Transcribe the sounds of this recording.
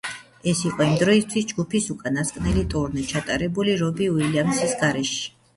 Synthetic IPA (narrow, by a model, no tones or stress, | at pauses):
ɛsiqʼɔimd̪ɾɔist̪ʰwisd͡ʒɡupʰisukʼanaskʼnɛlit̪ʼuɾnit͡ʃʰat̪ʼaɾɛbuliɾɔbiuwiliamsisɡaɾɛʃi̥